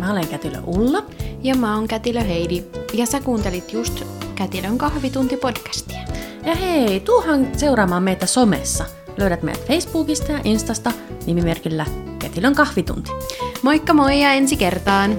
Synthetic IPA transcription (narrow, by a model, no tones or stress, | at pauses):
mæoleŋkæt̪ilø̰ʔulːɑjɑmæoŋkæt̪iløɦeidijɑsækuːnt̪elit̪just̪kæt̪iløŋkɑhʋit̪unt̪ipod̥kæ̥st̪i̥æ | jɑheit̪uohɑnseuɾɑːmɑːmmeit̪æsomḛsːɑ | løyɾæt̪mḛjæt̪feisbuːkist̪ɑjɑʔinst̪ɑst̪ɑnimimerkilːækæt̪iløŋkɑhʋit̪ṵnt̪i̥moikːɑmoijɑensikert̪ɑːn